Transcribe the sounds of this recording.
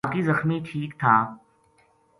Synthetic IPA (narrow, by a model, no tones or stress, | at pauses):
kizəxmiʈʰiːkt̪ʰaː